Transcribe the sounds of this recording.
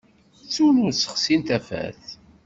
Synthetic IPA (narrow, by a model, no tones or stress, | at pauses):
t͡sːunʊɾsə̥χsint̪æfæ̰θ